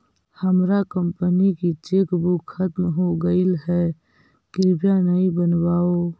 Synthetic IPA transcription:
həmɾakəmpənikit͡ʃekbukʰət̪mɦoɡəɪlɦɛ | ɡɪɾbjanəĩbənwaːo

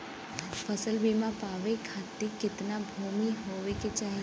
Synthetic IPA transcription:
fʰəsəlbʱimãpaːʋekʰaːt̪ekɪt̪nabʱoːmiɦoːʋeket͡ʃaːɦi

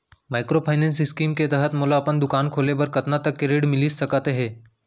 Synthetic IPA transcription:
maːɪkɾopʰaːɪnɛ̃ːnsɪskiːmket̪ɛɦət̪moːlaɐpənd̪ʊkaːnkʰoːlebɐɾkɐt̪nat̪ɐkːeɾeːɖmɪlisɐkat̪eɦɛ̃ː

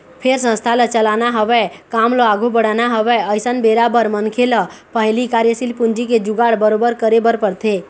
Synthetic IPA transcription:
pʰeɾsə̃st̪ʰalət͡ʃəlanaɦəbɛkamləaɡubəɽanaɦəʋɛəjsənbeɾabəɾmənkʰeləpəɦlikaɾjəsilpund͡ʒiked͡ʒuɡaɽbəɾobəɾkəɾebəɾpəɾt̪ʰe

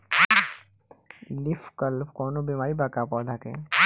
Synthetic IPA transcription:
lɪfkəlpʰkoːnobiːmaːɾibaːkapɔːd̪ʱakḛ

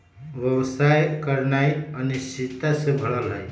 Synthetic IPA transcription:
ʋjəwsajkəɾnaiənist͡ʃit̪asẽbʱəɭəlɦaj

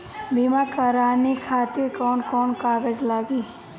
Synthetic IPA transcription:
bimakəɾaːnikʰaːt̪ɪɾkɔːnkɔːnkaːɡəd͡ʒlaːɡiː

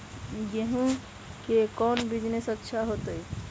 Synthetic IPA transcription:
jeɦũ | kekɔnbid͡ʒnesətːʃʰaɦot̪əj

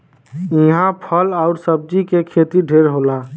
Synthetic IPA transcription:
ɪɦãpʰəlaːʊɾsəb̚d͡ʒikekʰeːt̪iɖʱeːɾɦoːlaː

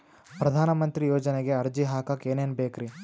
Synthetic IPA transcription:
pɾɐd̪ʱaːnɐmɐnt̪ɾijoːd͡ʒɐneɡe̞ɐɾd͡ʒiɦaːkɐkeːneːnbeːkɾi

